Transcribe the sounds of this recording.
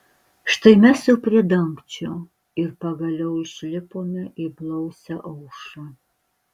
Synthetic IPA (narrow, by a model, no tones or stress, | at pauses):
ʂt̪ɐɪmʲɛsuwpʲrʲɪdɐŋkt͡ʃʰɛw | ɪrpɐɡɐlʲɛwiʃlʲɪpʰoːmɛʔɪblˠɐwsɛʔɐwʂɐ